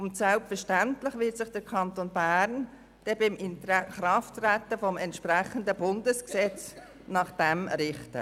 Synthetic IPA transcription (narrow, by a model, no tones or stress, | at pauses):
ʊntsɛlpfəɾʃtæntlɪχʋɪtsɪχd̥əɾkʰɑntoːnbæːɾn | d̥ɛbɪmɪntχɾɑftrætːəfɔmɛntʃpræχəndəbʊndəsksɛt͡s | nɑχd̥ɛmɾɪχtə̰